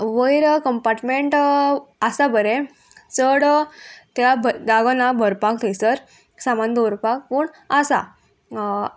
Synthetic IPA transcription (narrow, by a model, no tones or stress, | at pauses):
ʋəjɾkəmpaɾʈmeɳʈasabəɾe | t͡səɽt̪aabd̪aɡənabʱəɾpakt̪esəɾ | samand̪oɾpak̚puːɳ | asa̰